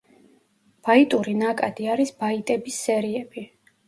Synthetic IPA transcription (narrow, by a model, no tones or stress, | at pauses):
b̥ait̪ʼuɾinakʼad̪iaɾisbait̪ʼɛbisːɛɾiɛbi